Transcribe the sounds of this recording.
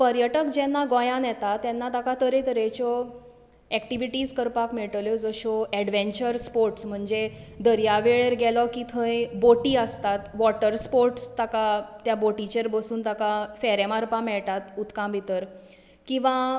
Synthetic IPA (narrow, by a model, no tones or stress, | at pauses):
pəɾjəʈəkd͡ʑɛnːaɡɔjãnjɛt̪at̪ɛnːat̪akat̪əɾet̪əɾet͡ɕɔ | ɛkʈiʋiʈiːd͡zkəɾpakmɛɭʈəljɔd͡zəɕɔɛɽʋẽɲt͡ɕəɾspoɾʈsm̤əɳd͡ze | d̪əɾjaʋeɭeɾɡɛlɔkit̪ʰə̃jboʈiːəst̪at̪ʋɔʈəɾspoɾʈst̪akat̪jaboʈit͡ɕeɾbəsuːnt̪akafɛɾemaɾpãmɛɭʈ̪at̪ut̪kãbʱit̪əɾ | kĩw̃ʋã